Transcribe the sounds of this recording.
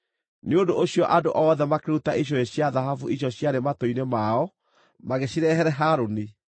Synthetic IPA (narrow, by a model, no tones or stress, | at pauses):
neondoʔoɕijɔʔadoʔɔːðɛmakeɾutaʔiɕ̬ɔeɕjaðaɦavuʔiɕ̬jɔɕjaɾematoinemaɔ | maɣeɕiɾɛɦɛɾɛɦaːɾoni